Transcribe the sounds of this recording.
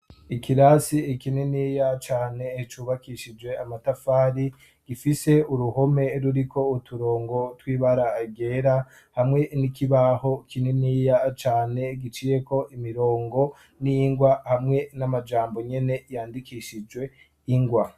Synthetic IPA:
ikiɾasiekineniːjat͡ʃaːne̞t͡ʃuːβakiʃid͡ʒwe̞amatafaːɾi | ɡ̥ifise̞uɾuho̞me̞ɾuɾikʰo̞utuɾo̞ːŋɡo̞twiːβaɾaɡe̞ːɾa | hamŋe̞nikiβaho̞kineniːjat͡ʃaːne̞ɡit͡ʃiːje̞ko̞ʔimiɾo̞ːŋɡo̞ | niŋɡwahamŋe̞namad͡ʒaːmbo̞ɲe̞ne̞jaːndikiʃid͡ʒwe̞ | iŋɡwa

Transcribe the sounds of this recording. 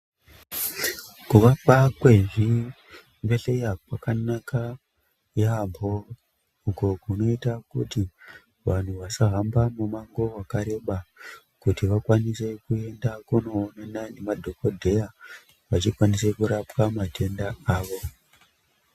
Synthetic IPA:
kuʋapakwe̞ʐi | mbeɬejapakanaka | jambʱo̞ | uko̞kuno̞itakṵti | ʋan̤uʋasaɦambamumaŋɡo̞wakaɾe̞ɓa | kutiʋakwanise̞kue̞ndakuno̞ːnanane̞madʱo̞kodʱe̞ja | ʋat͡ʃikwanise̞kuɾapwamatʰe̞ndaaːʋo̞

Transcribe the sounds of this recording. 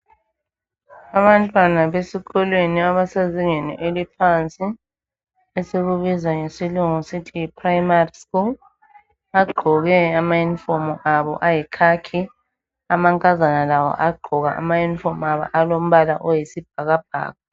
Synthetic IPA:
aβantʼwanaβesiɣɔlweniaβasaziŋɛnɛ̰ʔelipʰant͡sʼi | esiɣuβizaŋesiluŋusitʰijipʰʼraimariskul | aɡ͡ǃʱɔɣɛamajinfɔmuʔaβɔ̰ʔajikʰakʰi | amaŋkʼazanalawɔ̰ʔaɡ͡ǃʱɔɣa̰ʔa̰majunfɔmaβa̰ʔalom̩βalaʔɔjisib̥̚ʱaɣab̥̚ʱa̰ːɣɔ

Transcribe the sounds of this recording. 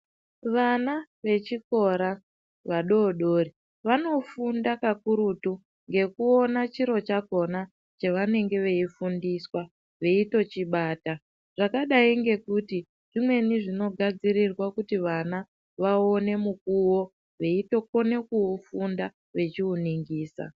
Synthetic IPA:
ʋana | ʋe̞t͡ʃiko̞ɾa | ʋaɗo̞ɗoːri | ʋano̞fundakakuɾutu | ŋɡe̞kuo̞nat͡ʃiɾo̞t͡ʃako̞na | t͡ʃeʋane̞ŋɡe̞ʋe̞ifundiswa | ʋe̞ito̞t͡ʃiɓaːta | ʐ̥akaɗaiŋɡe̞kuti | ʐimwe̞niʐino̞ɡʱad͡zirirwakutiʋana | ʋao̞ne̞muk̚uwo̞ | ʋe̞itokone̞kuufunda | ʋe̞t͡ʃiuniŋɡiːsa̰

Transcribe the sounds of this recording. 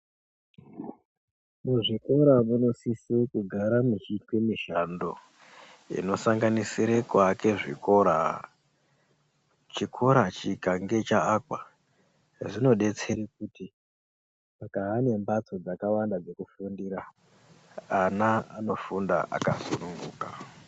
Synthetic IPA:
muʐiko̞ɾamuno̞sisekuɡʱaɾamit͡ʃitwemiʃando̞ | ḭno̞saŋɡanisiɾekwake̞ʐḭko̞ɾa | t͡ʃikʰo̞ɾat͡ʃikaŋɡe̞t͡ʃaːkwa | ʐino̞ɗe̞t͡se̞ɾik̚uti | makaɦane̞mbat͡so̞d͡zakawandad͡ze̞kufundiɾaː | naano̞funda̰ʔa̰kasunuŋɡuːka

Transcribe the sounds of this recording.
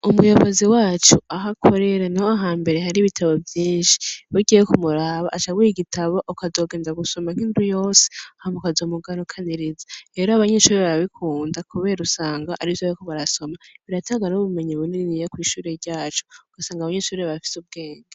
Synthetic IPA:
umujo̞βoziwaːt͡ʃuaɦakʰo̞ɾe̞ɾanihoaɦaːmbe̞ɾeɦaɾiβitʰaβo̞vjiːnʃi̥wuɟijekumuɾaβaʔːt͡ʃaɡujiɡitʰaβo̞ʔokazo̞ːɡe̞ːndaɡuso̞maŋ̥iːndujo̞ːse̥ahamokazo̞ːmuɡaɾukʰaniɾizaɾe̞ːɾoaβaɲeʃuːɾeβaβikʰuːndakuβe̞ːɾusaːŋɡaʔaɾizoβkoβaɾaso̞maβiɾataːɡanuβume̞ɲiβuniɾinijekwiːʃuːɾe̞ɾɟaːt͡ʃu̥ɡ̥asaːŋɡaβaɲeːʃuɾeβafi̥sub̚ɡe̞ːŋɡa

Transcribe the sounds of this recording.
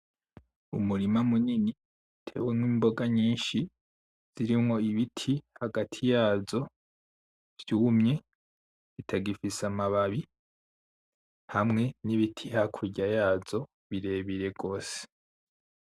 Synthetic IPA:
ṵmuɾimamunini | tʰe̞̰ːwemwiːmbo̞ɡaɲiːnʃi | z̥iɾimŋo̞iβitʰihaɡatʰijaːzo̞ | v̥juːmɲe̞ | βitʰaɡifisamaβaβi | hamŋe̞niβitʰihakʰuɟajaːz̥o̞ | βiɾe̞ːβiɾe̞ɡo̞ːse̥

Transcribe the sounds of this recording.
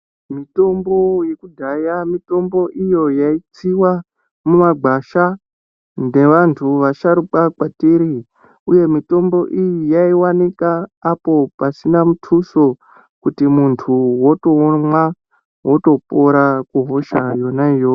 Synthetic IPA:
mito̞mbo̞jekudʱajamito̞mbo̞ʔijo̞jait͡siwa | mumaɡ͡bʱaʃa | nde̞ʋantʰuʋaʃaɾukakwatiɾi | uje̞mito̞mbo̞ʔijijaiwanikaːpo̞pasinamutʰuso̞ | kutimuntʰuwo̞toːmwa | woto̞po̞ɾakuɦoʃajo̞naijo

